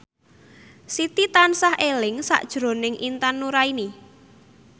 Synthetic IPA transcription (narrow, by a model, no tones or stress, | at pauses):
sit̪it̪ansahelɪŋsa̰ʔd̥ʒ̥ɾo̤nɪŋʔint̪anːuɾaini